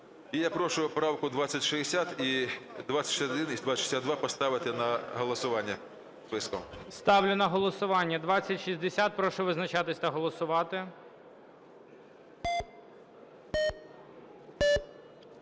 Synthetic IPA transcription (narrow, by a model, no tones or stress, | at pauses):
ijapɾɔʃʊʊpɾɑwkʊd̪ʋɑt͡sʲːɐtʲʃɪɦesʲat̪id̪ʋat͡sʲːɐ̥tʲɔd̪ɪnizd̪ʋaʃi̥sʲad̪d̪ʋɑpɔst̪ɑʋɪt̪ɪnɐɦɔlˠɔsʊʋɑnʲːɐ | spɪskɔmst̪ɑʋlʲʊnɐɦɔlˠɔsʊʋɑnʲːɐd̪ʋɑt͡sʲːɐtʲʃizʲd̪esʲat̪̚pɾɔʃʊʋɪznɐt͡ʃɑt̪ɪsʲt̪ɐɦɔlˠɔsʊʋɑt̪ɪ